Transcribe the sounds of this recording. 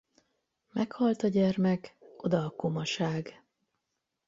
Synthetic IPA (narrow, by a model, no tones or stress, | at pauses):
mɛkhɒlt̪ɒɟɛrmɛko̞d̪ɒːko̞mɒʃaːɡ